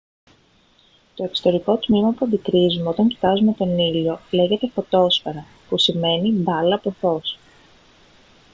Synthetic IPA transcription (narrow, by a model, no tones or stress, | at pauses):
t̪o̞e̞kst̪o̞ɾiko̞t̪mimɐpuɐnd̪ikɾizumeot̪ɐɲci̥t̪ɐzume̞t̪o̞nilo̞le̞ʝe̞t̪e̞fo̞t̪o̞sfɐɾɐ | pusime̞nid̪ɐlɐpoθo̞s